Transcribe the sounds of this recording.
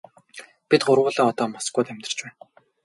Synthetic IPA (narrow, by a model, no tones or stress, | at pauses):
pit̪̚ɢʊrʁʊːɮɔːɔt̪ɔːmɔskʊːt̪æmʲt̪r̆ə̥̆r̥t͡ɕpæːn